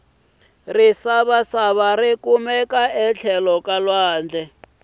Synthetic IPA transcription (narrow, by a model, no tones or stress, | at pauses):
risaβasaβarikumɛkaɛt͡ɬʰɛlɔkalwaːnd͡ɮɛ